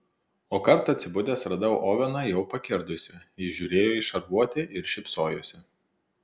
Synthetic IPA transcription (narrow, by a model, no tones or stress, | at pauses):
oːkɐɾt̪ɐt̪ʲsʲɪbʊd̪ʲeːsɾɐd̪ɐʊʔoːʋʲɛnɐjɛʊpɐkʲɪɾd̪ʊsʲɪɪʒʲuːɾʲeːjoːɪʃɐɾʋuɔt̪ʲeʔɪɾʃʲɪpsoːjo̰sʲɪ